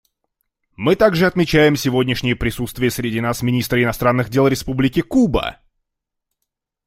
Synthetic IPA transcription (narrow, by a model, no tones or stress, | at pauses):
mɨt̪aɡʐɨɐt̪mʲɪt͡ɕæjɪmsʲɪvodʲnʲɪʂnʲɪjəpɾʲɪsut̪st̪vʲɪjəsʲɾʲɪdʲinasmʲɪnʲist̪ɾəɪnɐst̪ɾanːɨɣdʲe̞lˠɾʲɪspublʲɪkʲɪkubə̰